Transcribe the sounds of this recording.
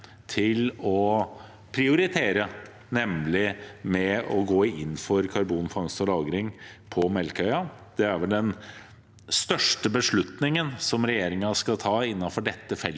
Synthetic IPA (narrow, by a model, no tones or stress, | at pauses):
t̪ʰɪlɔ | pʰɾɪʊɾɪt̪ʰeːɾə | nɛmlɪmɛɔɡoːɪnːfɔɾkʰɑɾbuːnfɑŋsɔlɑːɡɾɪŋpʰɔmɛlkœʏɑ | d̪̥ɛæɾʋɛld̪ɛn | st̪œʂʈəbəʂɭʉt̪nɪŋənsɔmɾɛjeːɾɪŋɑskɑt̪ʰɑːɪnːɑfɔɖɛt̪ːəfɛl